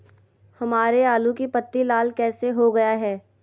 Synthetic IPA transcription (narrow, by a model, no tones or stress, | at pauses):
hɐmaːɾeaːlukipɐt̪ːilaːlkɛːseɦoɡɐjaɦɛː